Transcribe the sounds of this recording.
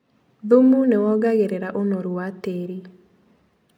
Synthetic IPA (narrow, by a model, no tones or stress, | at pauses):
ðumunewɔɡaɣeɾeɾaʔonoɾuateɾi